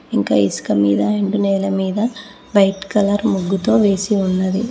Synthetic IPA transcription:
iŋka̰ːisɐ̥kɐmḭːd̪ɐeɳɖunɛːlɐmiːd̪ɐ | ʋɐjʈkɐlɐɾmuɡːut̪o̞ːʋe̞ːsiunːɐd̪i

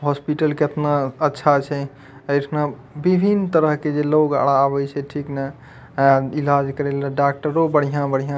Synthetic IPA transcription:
ɦɔspiʈəlket̪naətːʃʰat͡ʃʰɛ | əɪʈʰna | bibʱint̪əɾəɦked͡ʒeloɡa̰ɽaːβɛt͡ʃʰɛʈʰiknəɦ | ilad͡ʒkəɾelaɖak̚ʈəɾobəɽ̤ijãbəɽ̤ijã

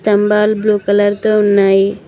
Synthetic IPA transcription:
t̪ɐmbaːlbluːkɐlɐɾt̪oːunːaːji

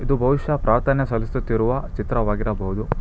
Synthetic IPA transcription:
id̪ubʱɐʋiʃɐpɾaːɾt̪ʰɐnɐsɐlist̪ut̪ːiɾuʋɐt͡ʃit̪ɾɐʋaːɡiɾɐbɐɦud̪u

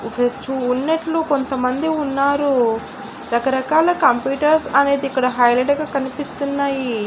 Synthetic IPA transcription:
ʋet͡ʃuːnːɐʈluko̞nt̪ɐmɐnd̪iunːaːɾu | ɾɐkɐɾɐkaːlɐkɐmpjuːʈɐɾsɐne̞ːd̪iːkːɐɽɐɦɐjleɖɡaːkɐnipist̪unːaːji

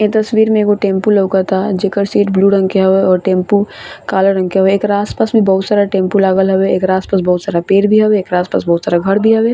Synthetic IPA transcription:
et̪ɐswiːɾmẽkoʈẽːmpuləkat̪ʰad͡ʒeːkəɾsiːʈbluːɾɐ̃ŋkeɦɐʋeɔːɾʈẽːmpukaːləɾɐ̃ŋkeɦəeeːkɾaːspaːsbʱibɐɦʊt̪saːɾaʈẽːmpulaːɡəlɦɐweeːkɾaːspaːsbɐɦʊt̪saːɾapeːɾbʱiɦɐweːkɾaːspa̰ːsbɐɦʊt̪saːɾaɡʱɐɾbʱiɦɐweː

